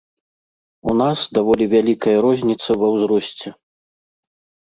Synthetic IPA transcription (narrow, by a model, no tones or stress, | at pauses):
unasd̪avɔlʲivʲalʲikɐjɐɾɔzʲnʲit̪sɐvɐwzɾɔsʲt͡sʲɛ